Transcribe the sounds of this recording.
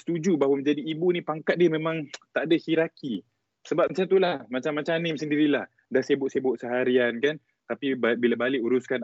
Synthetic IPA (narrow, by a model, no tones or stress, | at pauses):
st̪ud͡ʒubaɦwaməɲd͡ʒadiːbunĩpaŋkat̪̚diəmẽmãŋt̪aʔdahiɾaki | səbap̚mət͡ʃant̪ulahmat͡ʃamːat͡ʃanɪmsəndiɾilah | dasebʊʔsebʊʔsəɦaɾiankan | t̪apibabilabalɪʔuɾuskan